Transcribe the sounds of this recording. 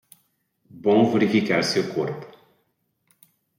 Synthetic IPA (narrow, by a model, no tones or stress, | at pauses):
bõveɾifikaɾsewkoɾpʊ̥